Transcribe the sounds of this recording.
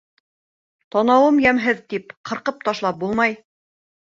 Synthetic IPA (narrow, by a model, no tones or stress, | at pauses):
t̪ɑnɑwɤmjæmɦɘðt̪ipqʰɤ̆ɾqɤp̚t̪ɑʃlˠɑp̚bulˠmɑj